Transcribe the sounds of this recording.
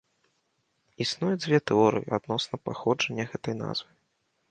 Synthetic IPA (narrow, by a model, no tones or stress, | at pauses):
isnujɛd͡zʲvʲɛt̪ɛɔɾɨ̰jḭad̪nɔsnɐpaxɔd͡ʐɐnʲːɐɣɛt̪ɐjna̰zvɨ